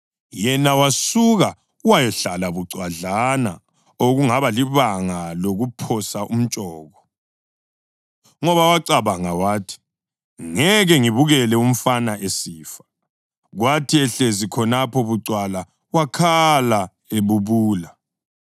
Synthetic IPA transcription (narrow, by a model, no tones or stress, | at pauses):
jɛnawasuɣa | wajɛɬalaβuǀwaɮana̰ | oɣuŋaβaliβaŋaloɣupʰɔsaʔum̩t͡ʃʼɔːɣɔ | ŋɔβawaǀaβaŋawaːtʰi̥ | ŋɛɣɛŋiβuɣɛlɛum̩fanaʔesiːfḁ | ɣwatʰiɛɬezikʰɔnapʰɔβuǀwala | wakʰala | eβuβuːla